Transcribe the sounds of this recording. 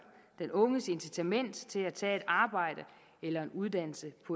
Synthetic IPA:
d̥enɔ̽ŋəse̝nsit͡sʰæmen̰d̥t͡sʰe̝læt͡sʰɛ̰ːe̝d̥ɑ̈ːb̥ɑ̈ɪ̰ɾ̥ə | elɐe̝nuðˠd̥æn̰l̩səpʰɒ̽

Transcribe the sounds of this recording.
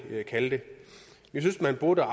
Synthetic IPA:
kʰæld̥e | jisynsmænb̥o̝d̥əɑ

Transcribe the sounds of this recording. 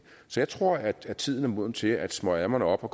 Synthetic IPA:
sɒ̽jɑ̈ɪt͡sʰʁo̝ɐ̰æ̥æt͡sʰið̰ˠn̩æɐmo̝ð̰ˠm̩t͡sʰe̝æd̥smɒ̽æmɐnəɒ̽b̥ɒ̽kʰ

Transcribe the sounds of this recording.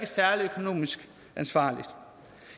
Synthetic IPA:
ɡ̥əsæɐliøkʰo̝no̝̰ːmisɡ̥ | ænsʋɑ̰̈ːlid̥

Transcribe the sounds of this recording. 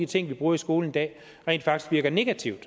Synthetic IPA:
it͡sʰe̝ŋ̰ʋib̥ʁuːɐisɡ̥o̝ːln̩id̥ɛ̰ː | ʁḛːnd̥fɑ̈ɡ̥i̥sɡ̥ʋiɐɡ̥ɐne̝ɡ̥æt͡sʰiʊd̥

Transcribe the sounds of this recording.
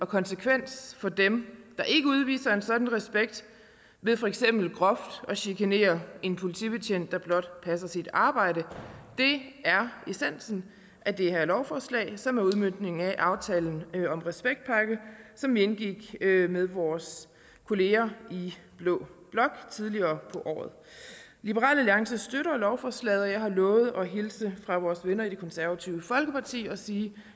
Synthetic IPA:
ɒ̽kʰɒ̽nsəkʰʋen̰sfɒ̽d̥emd̥ɑ̈ʔe̝ɡ̥əuð̞ˠʋḭːsɐe̝nsɒ̽d̥n̩ʁɛsb̥eɡ̥̚d̥ | ʋe̝ðˠfɒ̽eɡ̥sem̰b̥l̩ɡ̥ʁɒ̽fd̥ɒ̽ɕikʰæne̝̰ːɐe̝npʰo̝lit͡sʰḭːb̥e̝t͡ɕʰen̰d̥ːɑ̈b̥lɒ̽d̥pʰæsɐsid̥ɑ̈ːb̥ɑ̈ɪ̰ɾəd̥e̝æɐesen̰sn̩ | ʔæd̥e̝ɦælɒʊfɒːslɛ̰ɪsɒ̽mæɐuð̞ˠmønd̥ne̝ŋŋ̩æʔɑ̈ʊt͡sʰɛːln̩ɒ̽mʁɛsb̥eɡ̥̚d̥̚pʰɑ̈ɡ̥əsɒ̽mʋienɡ̥iɡ̥meðˠʋɒːs | kʰo̝le̝ːɐib̥lɔ̰ːb̥lɒ̽ɡ̥t͡sʰið̞ˠliɐːpʰɒ̽ʔɒ̰ːð̞̩ˠ | lib̥əʁɑ̰̈ːlæliɑ̈ŋsəsd̥øɾɐlɒʊfɒːslɛ̰ːðˠɒjɑ̈ɪɦɑ̈lɔ̽ːʊð̞̩ˠɒ̽ɦilsəfʁɑ̈ʋɒːsʋenɐid̥e̝kʰɒ̽nsæɐʋæt͡sʰiʊəfɒ̽lɡ̥əpʰɑ̈t͡sʰḭːɒ̽siː

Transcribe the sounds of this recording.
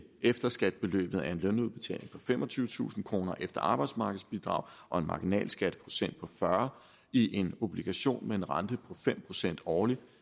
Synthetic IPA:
efd̥ɐsɡ̥æd̥̚b̥e̝lø̰ːb̥ð̩ˠæɐe̝nlœnuðˠb̥e̝̥t͡sʰɛ̰ːle̝ŋpʰɒ̽femʔɒ̽t͡sʰyːʊət͡sʰṵːsn̩kʰʁo̝ːnɐʔefd̥ɐɑ̈ːb̥ɑ̈ɪd̥smɑ̈ːɡ̥əð̩ˠsb̥id̥ʁɑ̰̈ʊ̰ʔɒ̽e̝nmɑ̈ːɡ̥inɛ̰ːlsɡ̥æd̥əpʰʁo̝sen̰d̥̚pʰɒ̽fɶɐ | iʔe̝no̝b̥liɡ̥æɕo̝̰ːnmee̝nʁɑnd̥əpʰɒ̽fem̰pʰʁo̝sen̰d̥ɒːli

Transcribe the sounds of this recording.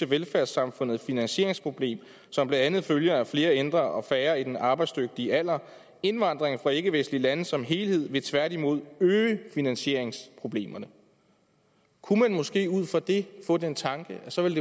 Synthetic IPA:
eʋelfæɐsɑ̈mfɔ̽n̰ð̩ˠfinænɕe̝ɐeŋspʰʁo̝b̥le̝̰ːm | sɒ̽mb̥lænd̥ænð̩ˠføljɐæfle̝ːɐend̥ʁɐʔɒ̽fæːɐid̥enɑ̈ːb̥ɑ̈ɪd̥sd̥øɡ̥̚d̥iəæl̰ɐ | e̝nʋɑ̈n̰d̥ʁeŋfʁɑ̈e̝ɡ̥əʋesn̩lilænəsɒ̽mɦe̝ːlhe̝ð̰ˠʋe̝t͡sʰʋæɐɾ̥imo̝ð̞ˠøːəfinænɕe̝̰ɐ̰e̝ŋspʰʁo̝b̥le̝̰ːmɐnə | kʰumænmɔ̽sɡ̥e̝̰ːuð̞̰ˠfɒ̽d̥e̝fɔ̰̽ːdent͡sʰɑ̈ŋɡ̥əʔæsɒ̽ʋe̝lde

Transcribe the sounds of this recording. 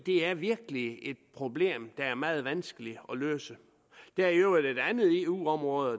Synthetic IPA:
d̥e̝æɐʋiɐɡ̥əlie̝d̥̚pʰʁo̝b̥le̝̰ːmd̥ɑ̈æɐmɑ̈ːð̞̩ˠʋænsɡ̥əliɒ̽lø̰ːsə | d̥æɐiøʊæɐd̥ed̥ænð̩ˠe̝ṵːɒ̽mʁɔ̽ːð̩ˠ

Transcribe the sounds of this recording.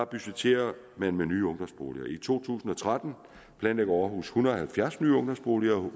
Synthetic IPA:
ɑ̈b̥yset͡sʰe̝̰ːɐ | mænmenyːɔ̽ŋd̥ɒ̽msb̥o̝̰ːliɐʔit͡sʰo̝̰ːt͡sʰṵːsn̩ɒ̽t͡sʰʁad̥n̩ | b̥lɛnleɡ̥ɐɒɦṵːshunʁɐɒhælfjæɐsny̰ːɔ̽ŋd̥ɒ̽msb̥o̝ːliɐ

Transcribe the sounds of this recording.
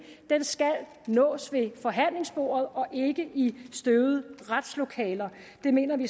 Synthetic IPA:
d̥ensɡ̥æl | nɔ̰̽ːsʋe̝fɒ̽ɦæn̰le̝ŋsb̥o̝̰ːɐð̞̩ˠɒ̽ʔe̝ɡ̥əʔisd̥øʊð̩ˠʁad̥slo̝kʰɛ̰ːlɐ | d̥e̝me̝̰ːnɐʋi

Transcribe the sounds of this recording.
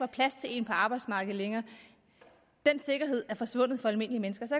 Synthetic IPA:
ʋɑ̈pʰlæst͡sʰe̝e̝̰npʰɒ̽ɑ̈ːb̥ɑ̈ɪd̥smɑ̈ːɡ̥ð̩ˠleŋɐː | d̥en̰se̝ɡ̥ɐɦe̝ð̞̰ˠæɐfɒ̽sʋɔ̽n̰ð̩ˠfɒ̽ælme̝n̰əliəmenəsɡ̥ɐsɒæ

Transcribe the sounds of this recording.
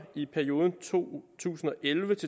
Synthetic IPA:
ipʰæɐio̝ːðˠən̩t͡sʰo̝̰ːt͡sʰṵːsn̩ɒ̽ʔelʋət͡sʰe̝

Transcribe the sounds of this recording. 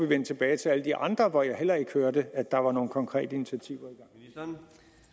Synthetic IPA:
ʋiʋen̰t͡sʰe̝b̥ɛːɪt͡sʰe̝æləd̥iʔɑ̈nd̥ʁɐʋɒjɑ̈ɪɦel̰ɐe̝ɡ̥høɐd̥əæ̥ɑ̈ʋɑ̈no̝ːn̩kʰɒ̽ŋkʰʁɛ̰ːd̥əinit͡sʰiæt͡sʰiʊ̰ɐiɡ̥ɑ̈ŋ̰

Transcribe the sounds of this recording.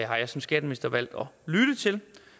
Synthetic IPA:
hɑ̈jɑsɒ̽msɡ̥æd̥əmenisd̥ɐʋæl̰d̥ɒ̽lyd̥ət͡sʰe̝l

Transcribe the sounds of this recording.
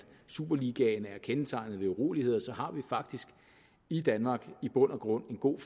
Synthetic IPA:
sṵb̥ɐliɡ̥ɛnəæɐkʰenət͡sʰɑ̈ɪnð̩ˠʋe̝uʁo̝̰ːlihe̝ð̞̰ˠsɒ̽ɦɑ̈ʋifɑ̈ɡ̥̚d̥isɡ̥ | id̥ænmɑ̈ːɡ̥ib̥ɔ̽n̰ɐɡ̥ʁɔ̽n̰e̝nɡ̥o̝̰ːf

